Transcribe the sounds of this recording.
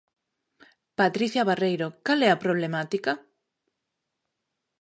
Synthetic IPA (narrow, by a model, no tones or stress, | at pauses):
pat̪ɾiθjaβarejɾokalɛapɾoβ̞lemat̪ika